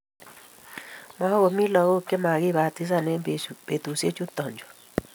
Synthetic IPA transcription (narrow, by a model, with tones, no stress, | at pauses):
ma˦ɣo˨mi˦lɔ˨ɣo˦ke˦ma˨ɣi˦˨βa˨t̪i˦s̬a˦˨ne˦be˨t̪u˨se˦t͡ʃu˦t̪ɔ˨ɲd͡ʒɔ˨